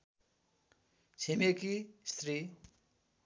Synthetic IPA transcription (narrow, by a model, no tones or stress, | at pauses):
t͡sʰemekist̪ri